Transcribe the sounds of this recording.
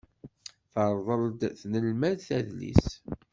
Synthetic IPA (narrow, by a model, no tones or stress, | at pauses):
θəɾˤðˤəld̪θnəlmæðθæðlḭs